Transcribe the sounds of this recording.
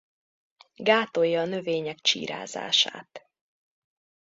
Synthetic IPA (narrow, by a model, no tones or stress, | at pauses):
ɡaːt̪o̞jːɒːnø̞veːɲɛkt͡ʃḭːɾa̰ːza̰ːʃa̰ːt̪